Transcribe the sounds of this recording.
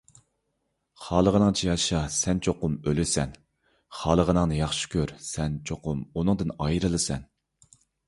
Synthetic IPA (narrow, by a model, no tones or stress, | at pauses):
χɑːlˠəʁənɨŋt͡ʃʰijɑʃɑsɛnt͡ʃʰoqʊmølɪsɛ̰n | χɑːlˠəʁənɨŋnɨjɑχʃi̥kʲøɾsɛnt͡ʃʰoqʊmunɨŋd̪ɨnɑjɾɨlˠɨsɛn